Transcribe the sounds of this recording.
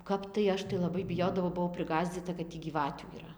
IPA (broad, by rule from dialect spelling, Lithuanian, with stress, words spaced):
ˈkɐp tɐɪ ˈɐʃ tɐɪ lˠɐˈbɐɪ bʲɪˈjoːdɐʋɐʊ bʊˈʋɐʊ pʲrʲɪˈɡɑːzʲd͡zʲiːtɐ kɐt ˈtʲiː ɡʲiːˈʋɑːtʲuː iːˈrɐ